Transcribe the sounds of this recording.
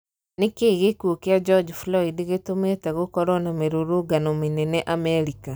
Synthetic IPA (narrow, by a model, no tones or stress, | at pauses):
nekeːɣekuokead͡ʒɔd͡ʒflɔidiɣetometɛɣokɔɾɔnameɾoɾoɡanɔmenɛnɛʔamɛɾika